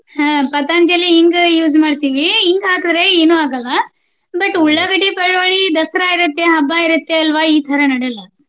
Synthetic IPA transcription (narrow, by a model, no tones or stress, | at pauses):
hɐ̃ːpɐt̪aːnd͡ʒɐlːiiŋɡjuːzmaːɖt̪iːʋiːŋɡɦaːkɨd̪ɾe̞eːnuaːɡɐlːɐ | bɐʈuɭːɐɡɐɽipɐɭʋoɭid̪ɐsɾaːiɾɐt̪ːeɦɐbːaːiɾut̪ːeɐlʋaiːt̪ʰɐɾɐnɐɽɛlːɐ